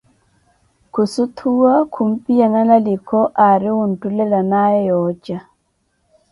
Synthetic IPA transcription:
kusut̪ʰuwakʰumpijanalalikɔʔaɾiwuntulɛlanajɛjɔt͡ʃa

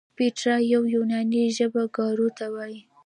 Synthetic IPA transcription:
peʈɾajawjunɑniʒəbaɡɑɾut̪awɑji

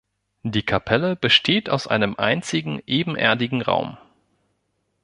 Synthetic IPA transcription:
d̥iːkʰapʰɛləb̥əʃtʰeːta̰ʊsʔa̰ɪnəmʔa̰ɪnt͡sɪɡŋ̩ʔeːbm̩ʔɛ̰ɐdɪɡŋ̩ʁa̰ʊm

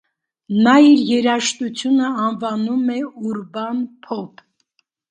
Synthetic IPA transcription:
nɑiɾjɛɾɑʃt̪ut͡sʰjunəɑnvɑnumɛuɾbɑnpʰɔpʰ

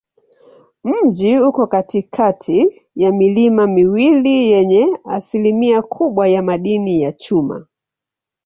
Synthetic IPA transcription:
m̩d͡ʒiukɔkatikʰatʰi | jamilimamiwilijɛɲɛasilimiakʰuɓwajamaɗinijat͡ʃuma̰

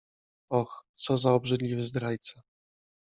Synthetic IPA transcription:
ɔxt̪sɔzaɔbʐɘd̪lʲivɘzd̪ɾajt̪sa

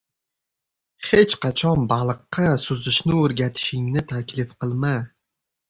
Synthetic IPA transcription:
he̞t͡ʃqɑt͡ʃʰɒnbɑlˠɨqːɑsʊzɪʃnɪoɾɡʲat̪ʰɪ̥ʃɪŋnɪt̪ʰakʲlɪfqʰɨlˠma

